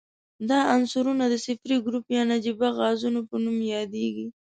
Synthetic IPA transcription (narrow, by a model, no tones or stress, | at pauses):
d̪ɑansʊɾunad̪əsɪfɾiɡɾupjɑnad͡ʒibaɣɑzunopənumjɑd̪eɡi